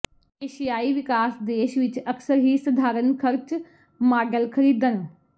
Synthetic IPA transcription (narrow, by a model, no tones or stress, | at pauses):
eːʃijaːiːʋɪkaːsd̪eːʃʋɪt͡ʃəksəɾɦiːsəd̪ʱaːɾənkʰəɾt͡ʃ | maːɖəlkʰəɾiːd̪ən